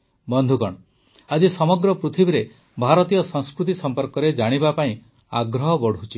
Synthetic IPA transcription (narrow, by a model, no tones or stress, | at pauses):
bɔnd̪ʱukɔɽ̃ɔ | ad͡ʒisɔmɔɡɾɔpɾut̪ʰibiɾe | bʱaɾɔt̪ijɔsɔŋ̃skɾut̪isɔmpɔɾkɔɾed͡ʒaɽ̃ibapaĩ | aɡɾɔɦɔbɔɽ̤ʱut͡ʃʰi